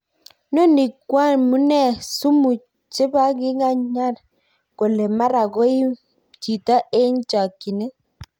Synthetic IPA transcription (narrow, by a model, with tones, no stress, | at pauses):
no˦ni˨kːwa˦nmu˦nɛ˦˨su˦mu˨ | t͡ʃe˦ba˦ɡɪ˦ŋa˦ɲa˦l | ko˨le˨ma˦ɾa˨ɡo˦ɪ˦ | t͡ʃi˨ta˦e˦ɲt͡ʃa˨kːi˨ne˦